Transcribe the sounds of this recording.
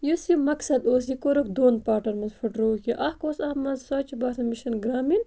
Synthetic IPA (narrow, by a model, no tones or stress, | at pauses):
jusimɐksɐd̪oːs̬ikoɾokd̪oːnpaːʈɐɾmɐzfʰuʈɾoːkiʔɐhkoːsɐmɐzsaːt͡ʃibaːt̪ɐmiʃɐnɡɾaːmin